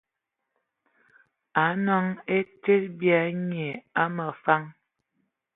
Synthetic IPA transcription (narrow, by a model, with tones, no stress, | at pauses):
a˨˦nɔ˦ŋe˦te˦t̚bja˨˦ɲe˨a˦mə˨fa˦ŋ